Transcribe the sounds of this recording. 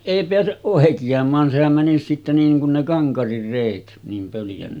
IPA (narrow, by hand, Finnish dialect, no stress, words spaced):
eˑi peæseʔ ʔoˑekiɑmˑɑːn sehæm mænis sitːe niːŋ kun ne kɑŋkɑrir reˑit niːm pøljæn